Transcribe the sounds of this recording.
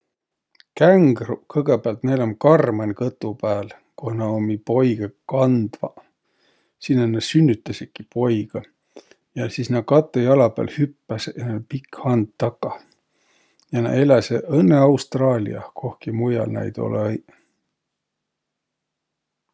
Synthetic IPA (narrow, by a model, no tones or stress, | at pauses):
kæŋɡrukɤɡ̥epeɑlt̪nejlomkɑrmɑnʲkɤt̪ːˑupæːl | kohnɑomipo̞jɡ̥ɑkɑnd̪̥vɑ̰ | sinːenɑsynʲːyt̪ˑːɑsikipo̞jɡ̥ɑ | jɑsiːsnɑkɑt̪ːˑejɑlɑpæ̰ːlhypːæsjɑnepikhɑnd̪ːɑkːˑɑ | jɑnɑ̰ʔelæseʔɤnːeɑwst̪rɑːlʲḭɑ̰kʰo̞hkimujɑ̰lnæ̰jd̪o̰lj